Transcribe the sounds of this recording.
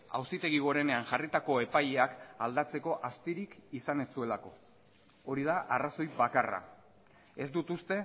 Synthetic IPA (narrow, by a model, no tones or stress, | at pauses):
a̰wsit̪e̞ɣ̞iɣo̞ɾe̞ne̞aŋʝarit̪ako̞e̞pajeakald̪at͡se̞ko̞ʔast̪iɾikisane̞ssue̞lako̞ | oɾið̞aʔaraso̞jβakara̰ | e̞zd̪ut̪ust̪e̞